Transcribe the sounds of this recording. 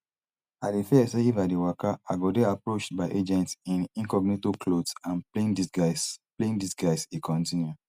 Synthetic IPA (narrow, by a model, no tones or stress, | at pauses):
adefɛseivadewakaaɡɔdeapɹot͡ʃtbaɪʔed͡ʒɛ̃ntsĩnĩŋkɔɡnetekʰlodsãnpleĩndiɡaspleĩndisɡaɪsekʰɔ̃ntĩnju